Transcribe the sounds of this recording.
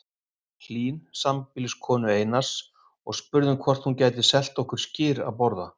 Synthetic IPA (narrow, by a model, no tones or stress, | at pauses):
l̥iːnsampɪlɪskʰɔːnʏejnḁs | ɔɣspʏɾðʏmkʰvɔr̥t̪huncaːjt̪ɪsɛl̥t̪ɔhkʏɾ̥scɪːɾa̰ðpɔɾða